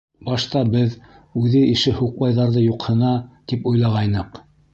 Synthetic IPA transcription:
bɑʃt̪ɑbɘð | ʉðɘiʃɘhuq̚bɑjðɑɾðɤjuqhɤ̆nɑt̪ipujlˠɑʁɑjnɤq

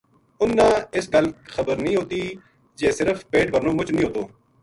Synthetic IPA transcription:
ʊnːãːɪsɡəlxəbəɾnĩːɦoːt̪iː | d͡ʒeːsɪɾəfʰbeːʈbʱəɾnõːmʊt͡ʃnĩːoːt̪oː

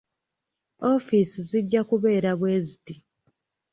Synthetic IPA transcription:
o̞ːfiːsiziɟːakuβe̞ːɾaβwe̞ːziti

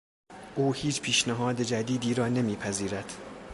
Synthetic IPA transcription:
ʔuːhiːt͡ʃpʰiːʃnæɦɒːd̪ed͡ʒæd̪iːd̪iːɾɒːne̞miːpʰæziːɾæd̪̥

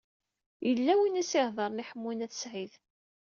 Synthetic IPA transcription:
jəlːæwinisɪhðˤɑɾˤniħəmːinæθsʕið

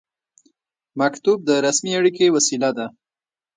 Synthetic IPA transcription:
makt̪ub̚d̪əɾasmiaɽikewasilad̪a

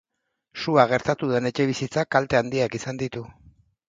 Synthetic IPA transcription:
suaɣ̞e̞ɾt̪at̪uðe̞ne̞t͡ʃe̞β̞isit͡sakalt̪e̞and̪iakisand̪it̪u

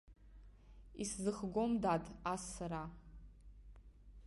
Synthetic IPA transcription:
iszɨχɡʷo̞mdadʰʼasːaɾa

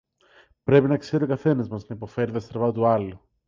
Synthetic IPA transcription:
pɾe̞pinɐkse̞ɾokɐθe̞nɐzmɐsnɐipo̞fe̞ɾiðɐst̪ɾvɐt̪uɐlu

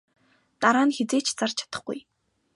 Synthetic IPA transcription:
t̪aɾaːnxet͡seːt͡ɕʰt͡sart͡ɕʰḁt̪ə̥̆χɡ̥ṵj

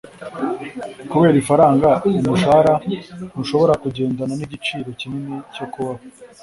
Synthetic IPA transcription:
kuβe̞ːɾifaɾaːŋɡaumuʃaɾahuʃo̞βo̞ɾakuɟe̞ːndananiɟit͡ʃiːɾo̞cinineco̞kuβaho

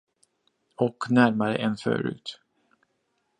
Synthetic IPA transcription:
ɔknæɾmaɾə̰ʔɛnfœ̰ːɾʉ̟̰ːt̪

